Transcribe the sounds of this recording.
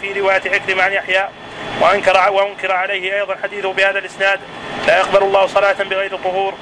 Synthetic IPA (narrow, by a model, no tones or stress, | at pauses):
fiːɾɪwaːjat̪ʕɪkɾɪmaʕanjaħjaː | waʔankɾwaʔʊnkɪɾʕalajhɪʔɑjðˤɑnħad̪iːθʊhbɪhaːðalʔɪsnaːd̪ | laːjaqbalalˤːɑːhʊsˤɑlaːat̪abɪɣajɾɨt̪ˤːʊɦuːɾ